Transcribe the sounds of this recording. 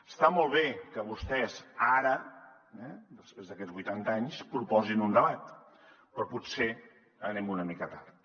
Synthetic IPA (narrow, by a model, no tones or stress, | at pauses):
əst̪amɔlˠβ̞ekəβust̪ɛzaɾə | ɛd̪əspɾezðəkɛd͡zβujt̪ant̪əaɲspɾupɔzinund̪əβat̪ | pɾɔpuse | ənɛmunəmikət̪ar